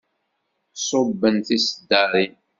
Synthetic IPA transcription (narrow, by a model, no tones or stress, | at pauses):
sˤobːənθisəd̪əɾˤin